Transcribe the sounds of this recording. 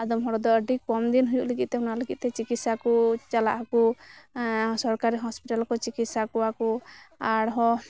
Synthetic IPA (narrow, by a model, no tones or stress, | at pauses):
ad̪ɔmɦɔɾɔd̪ɔəɖikɔmd̪inɦujuʔleɡit̪̚t̪ɛunaleɡit̪̚t̪ɛt͡ʃikit̪sakut͡ʃala̰ʔku | sɔɾkaɾiɦɔspiʈalɔkɔt͡ʃikit̪sakuakuaɽɦɔ